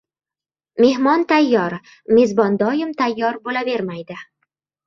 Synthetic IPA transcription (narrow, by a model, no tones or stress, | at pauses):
me̞hmɒnt̪ʰajːɒɾ | me̞zbɒnd̪ɒjɪmt̪ʰajːɒɾbolabe̞ɾmajd̪ɪ